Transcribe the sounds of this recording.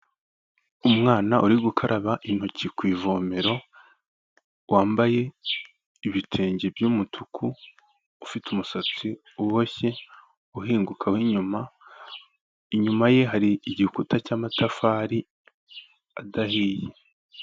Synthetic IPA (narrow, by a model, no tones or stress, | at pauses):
umŋaːnaʔuɾiɡukʰaɾʔaβaʔin̥hocikwiːvoːmeɾo̞ | wʔaːmbaje̞ | iβitʰe̞ːɲɟebjuːmutʰukʰuː | fitumusat͡si | uwoçe̞ | uɦiːŋɡukʰawiɲuma | iɲumaje̞ɦaɾiːɟihukutacaːmatafaːɾi | adahiːje